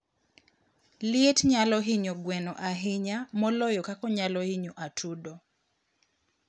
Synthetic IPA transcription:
lietɲalɔɦiɲoɡwɛnɔʔaɦɪɲamɔlɔjɔkakɔɲalɔhiɲoʔatʰudɔ

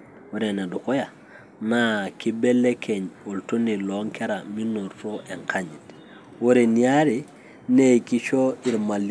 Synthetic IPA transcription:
woɾenadukoja | nakibelːekʰeɲoltoniloŋkeɾaminoɾfoʔeŋkaɲit | woɾenijaɾi | nejkit͡ʃoiɾmal

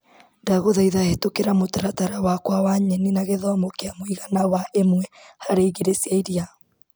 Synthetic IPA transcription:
daɣoðaiðahetokeɾamotaɾataɾawakwawaɲɛninaɣeðɔmokeamoiɣanawaʔemwɛhaɾeiɣeɾesjaiɾia

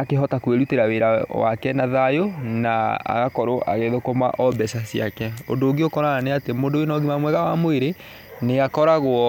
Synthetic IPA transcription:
akeɦɔtakweɾuteɾaweɾawa̰kɛnaðajonaa̰ɣakɔɾoʔa̰ɣeðokoma̰ʔɔbɛsasiakɛo̰doːɡiokɔɾananeatemoːndowenɔɡimamwɛɣawamoeɾe | neɣakɔɾaɣwɔ

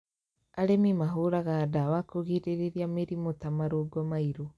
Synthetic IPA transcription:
aɾemimaɦoɾaɣaːdawakoɣiɾeɾeɾjameɾimotamaɾoɡɔmaiɾo

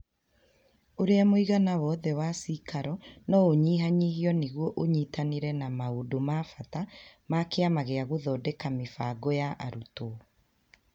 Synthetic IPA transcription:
oɾeamoiɣanawɔːðɛwasikaɾɔnɔoɲiːɦaɲihiɔneɣwɔʔoɲitaneɾɛnamaodomafatamakeamaɣeaɣoðɔːdekamefaɡojaʔa̰ɾuto

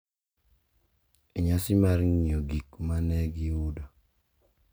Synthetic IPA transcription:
eɲasimaɾŋɲioɡikmanɛɡiuda

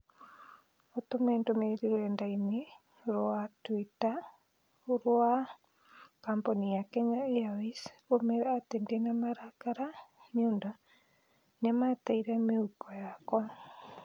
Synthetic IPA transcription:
otomɛndomeɾiɾoɛndaine | ɾoatwita | oɾoa | kamponijakɛɲaeaisomeɾatendenamaɾakaɾaɲonda | nɛmataiɾɛmeukɔjakɔ

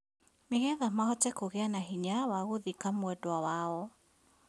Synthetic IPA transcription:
meɣɛðamahɔtɛkoɣeanaɦiɲawaɣoðikamwɛdwawaɔ

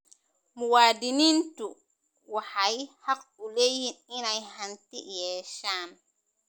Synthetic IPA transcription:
muwaːdinintu | wahajhak̚ːulejːininajhantiʔjɛːʃaːn

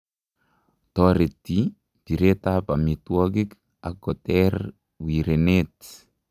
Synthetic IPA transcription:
t̪ɔɾetːi | diɾet̪apamitwɔɡɪk | a̰ɡɔtɛr | wiɾenet

